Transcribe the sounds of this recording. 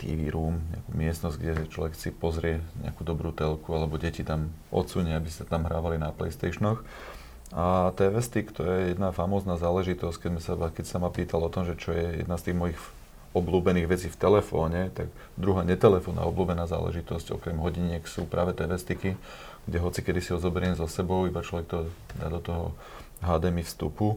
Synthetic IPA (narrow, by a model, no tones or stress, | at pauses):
t̪ḭʋḭɾuːmɲɛ̰akṵːmɪɛst̪nɔzɟɡɟɛt͡ʃlɔ̰ʋɛksipɔzɾɪɛɲɛ̰akuːd̪ɔbɾuːt̪ɛlkualɛbɔɟɛcit̪amʔɔ̰t̪t͡suɲɛabisat̪amɦɾaːʋalinaplɛ̰ɪst̪ɛʃnɔx | at̪ɛːʋɛst̪ikt̪ɔjɛjɛd̪nafamɔːznaːzaːlɛʒit̪ɔsckɛmɛmsabakɛcsamapiːt̪alɔt̪ɔmʒɛt͡ʃɔjɛjɛ̰d̪nast̪iːɣmɔjix | ɔbluːbɛniːɣʋɛt͡siːft̪ɛlɛfɔːɲɛt̪aɡ | d̪ɾuɦaːɲɛt̪ɛlɛfɔːnʔa̰ɔbluːbɛnaːza̰ːlɛ̰ʒit̪ɔscɔ̰kɾɛmɦɔɟiɲɪɛksṵːpɾʔaːʋɛt̪ɛːʋɛst̪iki | ɡ̥ɟɛɦɔt͡sikɛd̪isiɦɔzɔbɛɾɪɛmzɔsɛbɔʊibat͡ʃlɔʋɛk̚t̪ɔd̪a̰ːd̪ɔt̪ɔɦɔ̰ | ɦaːd̪ɛːmifst̪ṵpu